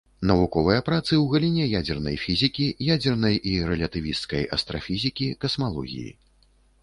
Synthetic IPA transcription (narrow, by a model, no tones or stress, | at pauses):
nɐvukɔvɨjɐpɾat̪sɨwɣɐlʲinʲɛjad͡zʲɛrnɐ̰jfʲizʲikʲijad͡zʲɛrnɐjʔiɾɛlʲɐt̪ɨvʲist̪skɐjɐ̰st̪ɾɐfʲizʲikʲikɐsmalˠɔ̰ɣʲḭjḭ